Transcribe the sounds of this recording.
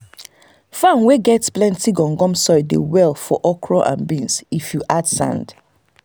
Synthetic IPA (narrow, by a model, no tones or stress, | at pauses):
fãnweɡɛtsplɛ̃ntiɡɔ̃ŋɡɔ̃msɔɪdḛwɛlfɔʔɔkʰɹɔʔã̰nbĩnsifjuʔadsã̰nd̥